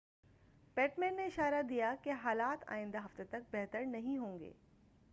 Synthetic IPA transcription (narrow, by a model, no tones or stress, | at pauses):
pɛːʈmɛ̃ːnːeɪʃaːɾad̪ijakeɦaːlaːt̪ʰa̰ːɪ̃nd̪aɦɐft̪et̪ɐk̚bɛɦt̪əɾnɐɦĩɦõːŋɡḛː